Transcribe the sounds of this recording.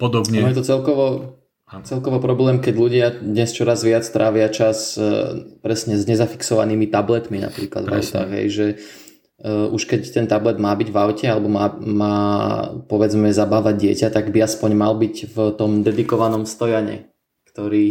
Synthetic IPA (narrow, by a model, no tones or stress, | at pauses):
pɔd̪ɔbɲnɔjɛt̪ɔt͡sɛlkɔʋɔ | t͡sɛlkɔʋɔpɾɔblɛːmkɛɟʎuɟɪad̪ɲɛst͡ʃɔɾazʋɪat͡st̪ɾʔaːʋɪat͡ʃas | pɾɛsɲɛzɲɛzafi̥ksɔʋa̰niːmit̪ablɛt̪mina̰pɾiːklad̪va̰ʊt̪a̰xɦɛ̰jʒɛ | ʔuʃkɛct̪ɛnt̪ablɛd̪maːbiɟʋaʊcɛalɛbɔmaːmaːpɔʋɛd͡zmɛzabaːʋaɟ̚dɪɛcat̪aɡbiaspɔɲmalbicvt̪ɔmd̪ɛd̪ikɔʋanɔmst̪ɔjaɲɛ̰ | kt̪ɔɾiː